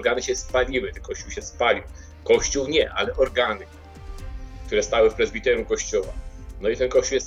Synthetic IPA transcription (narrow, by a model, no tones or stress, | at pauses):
ɾɡanɘɕɛspalʲiwɘt̪ɛnkɔɕt͡ɕuwɕɛspalʲiw | kɔɕt͡ɕuwɲɛʔa̰lɛʔɔɾɡanɘ | k̚t̪uɾɛst̪awɘfpɾɛzbʲit̪ɛɾjumkɔɕt͡ɕɔwa̰nɔit̪ɛnkɔɕt͡ɕuwjɛst̪